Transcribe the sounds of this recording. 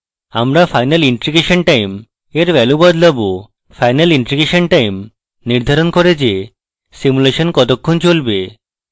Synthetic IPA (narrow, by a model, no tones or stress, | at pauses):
amɾafʰajnaliɳʈɾiɡeʃonʈajm | eɾʋɛlubɔd̪lɔbu | fajnaliɳʈɾiɡeʃonʈajm | niɾd̪ʱaɾonkoɾed͡ʑe | simuleʃonkɔt̪okʰːont͡ɕolbe